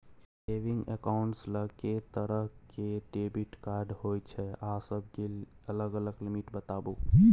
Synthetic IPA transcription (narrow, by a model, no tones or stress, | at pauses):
seʋĩŋɡḛkaʊɳʈsləket̪əɾəɦkeɖebiʈkaɾɖɦojt͡ʃʰɛasəb̚ʱkeələɡələɡlimiʈbət̪abu